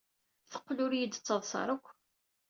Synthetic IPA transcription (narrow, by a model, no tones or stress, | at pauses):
θə̥qːlʊɾjəd̪ət͡sːəðˤsˤɑ̰ɾˤəkʷː